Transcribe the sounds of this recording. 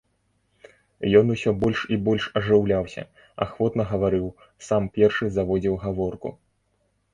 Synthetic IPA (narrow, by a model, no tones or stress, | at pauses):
jɔnusʲɔbɔlʲʂibɔlʲʂɐʐɨwlʲawsʲɐ̰ | a̰xvɔt̪nɐɣɐvaɾɨw | sampʲɛrʂɨzavɔd͡zʲiwɣavɔrkṵ